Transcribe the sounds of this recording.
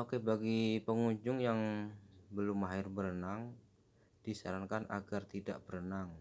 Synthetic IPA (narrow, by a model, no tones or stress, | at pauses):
okebaɡipəŋuɲd͡ʒʊŋjaŋ | bəlʊmaɦɪrbəɾənaŋ | d̥isa̰ɾankana̰ɡart̪ida̰ʔbəɾənaŋ